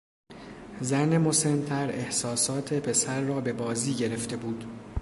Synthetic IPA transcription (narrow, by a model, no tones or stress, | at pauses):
zænemo̞se̞nt̪ʰæɾe̞hsɒːsɒːt̪ʰe̞pʰe̞sæɾːɒːbe̞bɒːziːɟe̞ɾe̞ft̪e̞buːd̪̥